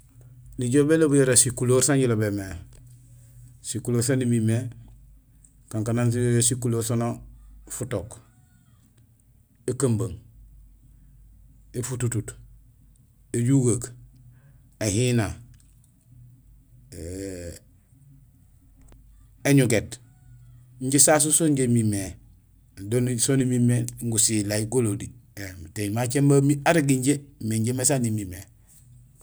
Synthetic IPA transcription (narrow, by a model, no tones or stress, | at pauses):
niɟobelobujoɾasikuloɾsaɲɟilobeme | sikuloːɾsanimime | kaŋkanans̬iojosikuloːɾsanofutok | ekambaŋ | efututut | eɟuɡak | ehina | eɲuɡet | ɲɟesas̬usoɲɟemime | donsonimimeŋɡusilaiɡolodiemteɲmat͡ʃembamiaɾiɡiɲɟemeɲɟemesanimime